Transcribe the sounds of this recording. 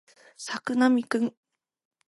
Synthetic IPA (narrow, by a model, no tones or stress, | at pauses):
sakɯ̟namʲikɯ̃ŋ